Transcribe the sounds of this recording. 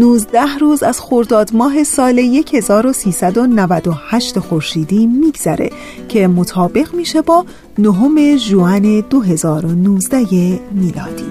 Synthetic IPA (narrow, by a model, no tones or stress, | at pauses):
nuːzd̪æhruːzæz̥xoɾd̪ɒːd̪mɒːɦe̞sɒːleje̞cʰhe̞zɒːɾo̞siːsæd̪o̞nævæd̪o̞hæʃt̪exo̞ɾʃiːd̪iːmiːɡz̥æɾe̞̰ | cʰe̞mo̞t̪ʰɒːbe̞ɣmiːʃe̞bɒː | noɦo̞me̞ʒuæne̞d̪oɦe̞zɒːɾo̞nuːzd̪æjemiːlɒ̰ːd̪̥ḭː